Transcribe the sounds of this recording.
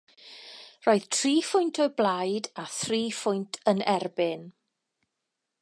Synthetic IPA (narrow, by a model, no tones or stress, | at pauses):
roːɨð̥tʰriːfʊjntʰɔɨblˠajdaθriːfʊjntʰənɛrbɪn